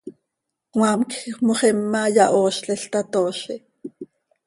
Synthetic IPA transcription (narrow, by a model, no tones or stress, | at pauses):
wɑːmkxmoχɛmːajɑʔoːʃɬɛɬt̪at̪oːʃi